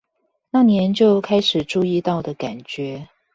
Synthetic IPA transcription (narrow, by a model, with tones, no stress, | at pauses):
na˥˨˩njɛ˧˦nt͡ɕjo˥˨ʊkʰa˥ɪʂɻ̩˨˩ʈ͡ʂu˥˧i˥˧t̪ɑ˥˩ʊd̪ə˩ka˨˩nt͡ɕɥɛ˧˦